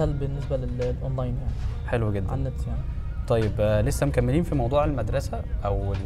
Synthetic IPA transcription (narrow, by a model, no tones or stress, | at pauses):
ælbenːesbælellʔonlɑjnjaʕniħelweɡed̪ːænːæt̪jaʕni | t̪ˤɑjːeblesːæmokæmːeliːnfimɑwd̪ˤuːʕelmæd̪ɾˤɑsæʔæwel